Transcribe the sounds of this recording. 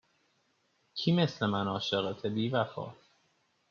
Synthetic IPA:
cʰiːmeslemænɒːʃeɣet̪ʰebiːvæfɒ̰ːt̪

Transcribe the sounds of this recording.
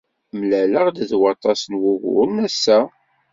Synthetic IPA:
mlæləʁd̪əðwɑt̪ˤɑsənwʊɣʊ̰ɾnæsːæ

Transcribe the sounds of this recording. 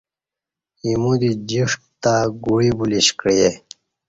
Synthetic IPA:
imud̪id͡ʑiʂʈt̪aɡuɽibuliɕkɾije

